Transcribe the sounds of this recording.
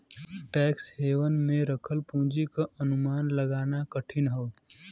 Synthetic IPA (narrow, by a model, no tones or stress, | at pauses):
ʈɛːksheːʋənmẽɾəkʰəlpũːd͡ʒikaʔɐnʊmaːnlɐɡaːnakəʈʰɪnɦoː